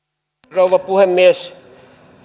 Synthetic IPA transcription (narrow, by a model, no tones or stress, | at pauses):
rouʋɑpuhemːies